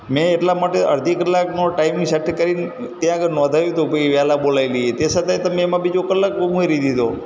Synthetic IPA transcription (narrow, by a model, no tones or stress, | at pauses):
mɛ̃ːʈlamaʈeʔə̰ɾd̪ʱikəlːaknoʈaimiʃəʈʰkəɾin | t̪jãəɡəɾnɔ̃d̪ʱajũt̪upoiʋalabolajlijet̪esət̪ajt̪əmẽːmãbid͡ʒokəlːak̚ũeɾid̪id̪ʱo